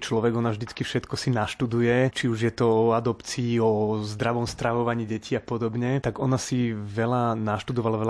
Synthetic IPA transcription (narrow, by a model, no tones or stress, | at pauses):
t͡ʃlɔʋɛɡɔnavʒd̪it͡skifʃɛt̪kɔsinaʃt̪ud̪ujɛt͡ʃiuʒjɛt̪ɔɔad̪ɔpt͡siːɔzd̪ɾaʋɔmst̪ɾaʋɔʋaɲiːɟɛciːapɔd̪ɔbɲɛt̪aɡɔnasiʋɛlanaʃt̪ud̪ɔʋalaʋɛl